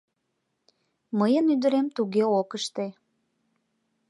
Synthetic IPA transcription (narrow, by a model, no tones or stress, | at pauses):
məjənyd̪əɾemt̪uɣeokəʃt̪e